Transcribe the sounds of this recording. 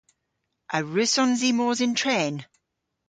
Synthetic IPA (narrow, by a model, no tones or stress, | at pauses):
ʔəɹʉsɔ̃nziːmɔːzɪ̃ntʰɹeːn